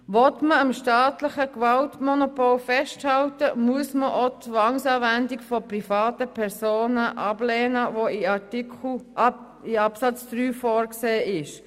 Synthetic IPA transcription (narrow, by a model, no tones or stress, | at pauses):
ʋɔtməəmʃtɑːtləχəkʋɑltmɔnopɔlfɛʃthɑltəmuəsməʔot͡sʋɑŋsɑːvændikfɔprifɑːtəpʰɛɾsoːnəʔɑb̥lɛːnəʋoiɑtik | iɑpsɑt͡sd̥ɾyːfɔːɾkseːʔɪʃ